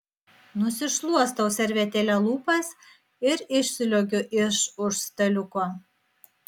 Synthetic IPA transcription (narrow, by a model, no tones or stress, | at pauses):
nʊsʲɪʃlˠuɔst̪ɐʊsʲɛɾʲʋʲɛt̪ʲeːlʲɛlˠuːpɐs | ɪɾɪʃʲsʲɪlʲoɡʲʊʔɪʃʊʃst̪ɐlʲʊkoː